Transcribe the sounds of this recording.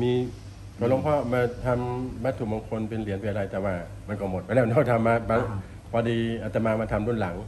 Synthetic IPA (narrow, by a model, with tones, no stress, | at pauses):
miː˧ | kɔ˨˧˩lo˧˥˩ŋpʰɔː˥˩maː˧t̪ʰa˧mbaː˦˥t̪ʰːuː˨˩ba˧ŋkʰo˧npe˧nli˨˩˦ənpa˧nʔa˧ɾa˧jt̪ɛː˨˩waː˧˩ | ma˧nkɔː˧˩mo˨˩t̪̚ma˧nɛː˧˥m˧nt̪ʰɔ˥˩t̪ʰa˧mːaː˧˥ma˧˥ | pʰɔː˧diː˧ʔa˧˩t̪a˧maː˧ma˧t̪ʰa˧mɾu˥˩ənla˩˦ŋ